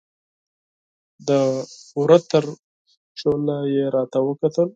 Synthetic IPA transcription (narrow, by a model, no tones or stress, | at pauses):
d̪əuɾat̪əɾ | ʂolajeɾɑt̪awəkat̪əl